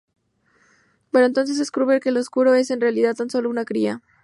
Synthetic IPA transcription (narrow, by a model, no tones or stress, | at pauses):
beɾoent̪o̞ns̬e̞s̬e̞skɾuβeɾke̞loskuɾo̞e̞se̞nre̞aliðaðt̪anso̞lo̞unakɾia